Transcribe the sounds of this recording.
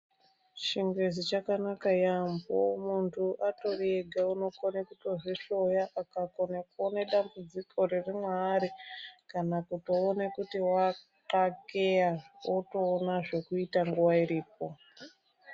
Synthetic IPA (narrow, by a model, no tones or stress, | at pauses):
ʃiŋɡwezit͡ʃakanakajambo̰muntʰuʔato̞reɡʱauno̞konekuto̞ʐiɬo̞jaʔakako̞nekoneɗambud͡zikʰo̞ririmwaɾikanakuto̞ːnekutiwa | kakejawoto̞ːnaʐe̞kuitaŋɡuwaiɾiːp̚o̞